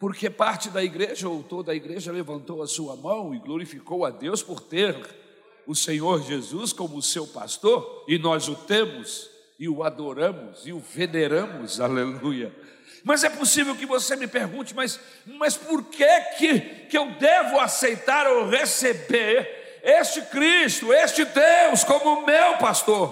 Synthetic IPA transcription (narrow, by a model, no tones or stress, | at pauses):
poɾkepaɾt͡ʃɪd̪ɐiɡɾeʒɐowt̪od̪ɐiɡɾeʒɐlevɐ̃nt̪owɐsuɐmɐ̃w̃ɪɡloɾifikowɐd̪ewspoɾt̪eɾ | ʊsẽɲoɾʒezuskõmʊsewpa̰st̪oɾɪnɔzʊt̪ẽmʊz | ɪʊad̪oɾɐ̃mʊzɪʊveneɾɐ̃mʊzalelujɐ | mɐzɛposivewkɪvosemɪpeɾɡũt͡ʃɪmɐs | mɐspoɾkʰekʰɪkɪewd̪evʊasejt̪aɾowʁesebeɾ | est͡ʃɪkɾist̪ʊest͡ʃɪd̪ewskõmʊmewpast̪oɾ